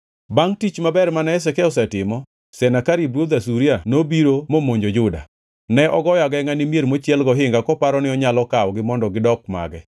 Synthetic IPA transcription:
baŋtit͡ʃmabɛɾmanɛɛs̬ɛkɛɔs̬ɛtɪmɔ | sɛnakaɾibɾod̪asuɾianobiɾomomoɲd͡ʒod͡ʒʊda̰ | nɛʔɔɡɔjaɡɛŋanɪmjeɾmot͡ʃjɛlɡɔɦɪŋɡakɔpaɾɔnɪɔɲalɔkawɡɪmɔndɔɡɪdɔkma̰ɡɛ

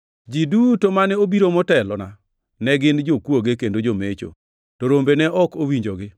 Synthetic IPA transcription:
d͡ʒidutomanɛobiɾomɔtɛlɔna | nɛɡɪnd͡ʒokwoɡekendod͡ʒomet͡ʃo̰ | toɾombenɛʔɔkowiɲd͡ʒoɡɪ

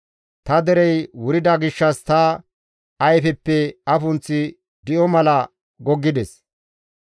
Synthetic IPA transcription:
t̪ɐd̪ɛɾɛjwʊɾɪd̪ɐɡɪʃːɐst̪ɐ | ɐjfɛpːɛɐfʊnt͡sːɪ | d̪ɪʔɔmɐlɐ | ɡɔɡːɪd̪ɛs

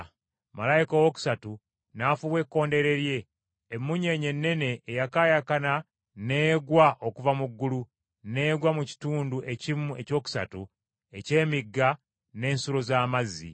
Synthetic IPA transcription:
ma̰lajikowo̞ku̥satu | naːfuβwe̞kːo̞ːnde̞ɾe̞ɾje̞ː | mːuɲe̞ɲe̞nːe̞ne̞ʔːjakajakana | ne̞ːɡwaʔo̞kuvamuɡːulu | ne̞ːɡwamuci̥tuːnduʔe̞cimue̞co̞ːku̥sa̰tu | e̞ce̞ːmiɡːa | ne̞ːnsuɾo̞zaːmazḭ

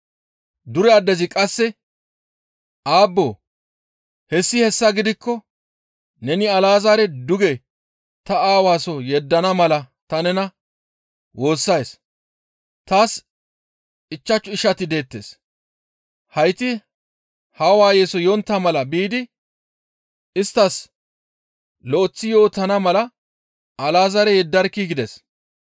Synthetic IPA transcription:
d̪ʊɾɛad̪ɛzɪkʼɐsːɛ | ʔaːbːo̞ː | hɛsːɪhɛsːɐɡɪd̪ɪkːɔ | nɛnɪɐlaːzaːɾɛd̪ʊɡɛ | t̪ɐaːwaːsɔjɛd̪ːɐnɐmɐlɐ | t̪ɐnɛnɐ | wo̞ːsːɐjs | t̪aːs | ɪt͡ʃːɐt͡ʃːʊɪʃɐt̪ɪd̪e̞ːt̪ːḛːs | hɐjt̪ɪ | haːwaːjeːsɔjɔnt̪ːamɐlɐbiːd̪ɪ | ɪst̪ːɐs | lɔɔt͡sːɪjo̞ːt̪ːɐnɐmɐlɐ | ɐlaːzɐɾɛjɛd̪ːɐɾkːiɡɪd̪ɛs

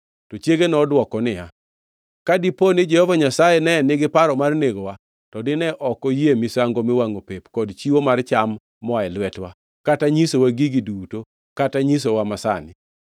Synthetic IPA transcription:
tɔt͡ʃjeɡenɔdwɔkɔnɪa̰ | kadiponɪd͡ʒɛhɔvaɲasajenɛnɪɡɪpaɾɔmarneɡowa | tɔdɪnɛʔɔkɔjemisaŋɡomɪwaŋopepkɔdt͡ʃiwomart͡ʃamː | ɔaɛlwɛtwa | kataɲisowaɡiɡiduto | kataɲis̬owamasa̰nɪ

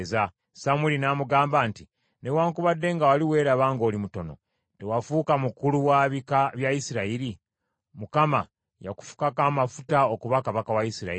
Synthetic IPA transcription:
za | samilinaːmuɡaːmbaːnti | newaːŋkuβadːe̞ŋɡawaliwe̞ːɾaβaːŋɡo̞ːlimuto̞no̞̰ | te̞wafuːkamukuluwaβikaβjaisiɾaiɾi | mukama | ja̰ku̥fu̥kakaːmafutaokuβakaβakawaisiɾa̰i

